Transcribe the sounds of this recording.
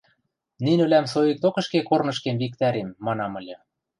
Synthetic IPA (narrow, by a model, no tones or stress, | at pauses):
ninɘ̆læmsojik̚t̪okɤ̆ʃkekornɤ̆ʃkemβik̚t̪æɾemːɑnɑmɤ̆lʲɤ̆